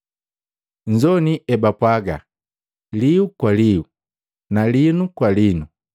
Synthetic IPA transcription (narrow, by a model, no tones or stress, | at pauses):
ɲ̩d͡ʒɔniʔɛbapwaɡa | liukwaliu | nalinukwalinu